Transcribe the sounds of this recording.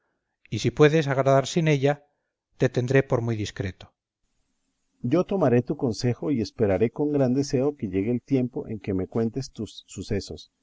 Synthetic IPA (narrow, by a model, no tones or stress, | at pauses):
isipwe̞ðe̞saɣɾaðaɾsine̞ʎa | t̪e̞t̪e̞nd̪ɾe̞po̞ɾmujðiskɾe̞t̪o̥ | ɟ͡ʝo̞t̪o̞maɾe̞t̪uko̞nse̞xo̞iespe̞ɾaɾe̞ko̞ŋɡɾand̪e̞se̞o̞ke̞ʝe̞ɣeːlt̪je̞mpo̞̰ʔe̞̰ŋke̞me̞kwe̞nt̪e̞st̪usːuse̞so̞̰s